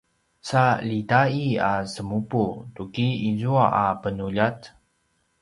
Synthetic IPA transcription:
salitaiasəmuputukiizuaʔapənuʎat̪

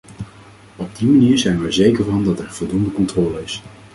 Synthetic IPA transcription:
ɔb̚dimaniːɹzɛjnʋɛɹzejkəɹvɑndɑtɛɹv̥ɔlˠdundəkɔntrɔːləɪs

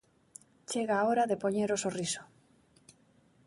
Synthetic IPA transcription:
t͡ʃeɣaːoɾaðepoɲeɾosoriso̥

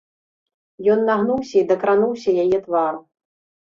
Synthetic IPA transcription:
jɔnːaɣnuwsʲɐid̪ɐkɾanuwsʲɐjajɛt̪vaɾu

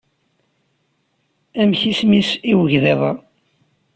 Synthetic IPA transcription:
æmçismisiwəʝðeðˤɑ̰

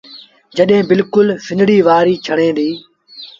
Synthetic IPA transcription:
d͡ʒəɗɦẽːbɪlkʊlfɪnɽiːʋaːɾiːt͡ʃʰəɽẽːd̪iː

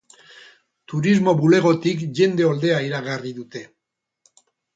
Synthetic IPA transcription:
t̪uɾizmo̞βule̞ɣ̞o̞t̪ikʝe̞nd̪e̞o̞ld̪e̞aiɾaɣariðut̪e̞

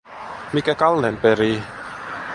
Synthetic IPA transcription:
mikɛkalːɛnpɛɾi

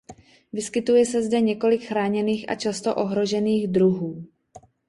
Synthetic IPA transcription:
vɪskɪt̪ujɛsɛzdɛɲɛko̞lɪkxɾaːɲɛniːxʔa̰t͡ʃast̪o̰ʔoɦɾo̞ʒɛniːɣd̪ɾuɦuː

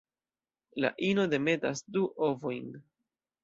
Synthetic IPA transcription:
la̰ʔino̞de̞me̞tasduʔovojn

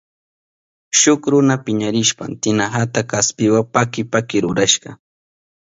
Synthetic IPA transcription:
ʃʊkɾʊnapɪɲaɾɪʃpa̰nt̪ɪnaɦat̪akaspɪwapakɪpakɪɾʊɾaʃɢɑ

